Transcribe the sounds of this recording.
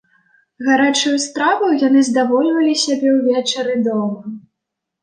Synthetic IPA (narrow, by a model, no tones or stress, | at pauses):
ɣaɾat͡ʂɨjust̪ɾavɐwjan̪ɨzd̪avɔlʲvɐlʲisʲabʲɛwvʲɛt͡ʂɛɾɨd̪ɔmɐ